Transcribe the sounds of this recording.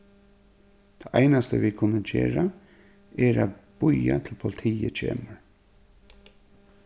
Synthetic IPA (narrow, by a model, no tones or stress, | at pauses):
d̪̥ʰɛʔæɪnast̪əʋikʰʊnːəd͡ʒeːɹa | ɛɾab̥ʊjat̪ʰɪlpʰʊlɪt̪ʰiːət͡ʃʰḛːməɹ